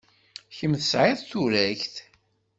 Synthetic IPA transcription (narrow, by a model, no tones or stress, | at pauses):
çəmθəsʕɪðˤθuɾæçθ